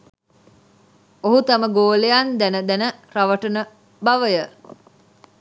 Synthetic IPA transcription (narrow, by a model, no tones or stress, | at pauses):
oɦut̪aməɡoːlejand̪ænəd̪ænəɾaʋəʈənə | baʋəjə